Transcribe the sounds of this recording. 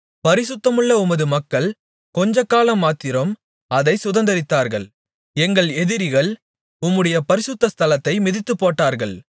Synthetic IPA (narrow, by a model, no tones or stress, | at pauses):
pɐɾɪsʊt̪ːɐmɯɭːɐʊmɐðɯmɐkːɐɭ | kɔɲd͡ʒɐkːaːlɐmːaːt̪ːɪɾɐm | ɐðɐɪsʊðɐnd̪ɐɾɪt̪ːaːɾɣɐɭ | ɛŋɡɐɭɛðɪɾɪɣɐɭ | ʊmːɯɽɐjɐpɐɾɪsʊt̪ːɐst̪ʰɐlɐt̪ːɐɪmɪðɪt̪ːɯpːoːʈːaːɾɣɐɭ